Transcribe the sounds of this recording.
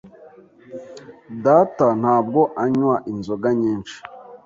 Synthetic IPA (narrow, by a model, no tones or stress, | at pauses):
daːtan̥aːb̚ɡo̞ʔaɲwaʔinzoɡaɲiːnt͡ʃi̥